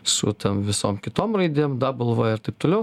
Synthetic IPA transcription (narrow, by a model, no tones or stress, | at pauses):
sʊ̰t̪ʲɐmʋʲɪsoːmkʲɪt̪oːmrɐɪd̪ʲeːmd̪ɐbɐlˠʋoːjɪɾt̪ɐɪpt̪oːlʲɛʊ